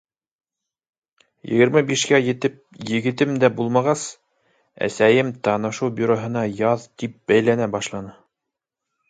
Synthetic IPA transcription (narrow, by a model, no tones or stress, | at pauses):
jɘ̰̆ɡɘ̆ɾmɘbiʃkæjɘ̆t̪ɘp̚jɘ̆ɡɘ̆t̪ɘmd̪æbulˠmɑʁɑs | æ̰sæjɘmt̪ɑnɤ̆ʃuwbʲyɾoɦɤ̆nɑjɑðt̪ip̚bæjlænæbɑʃlˠɑnɤ